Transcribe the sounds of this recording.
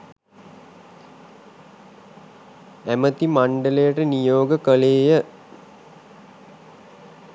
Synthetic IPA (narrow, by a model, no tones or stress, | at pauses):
æmət̪imaɳɖələjəʈənijoːɡəkəleːjə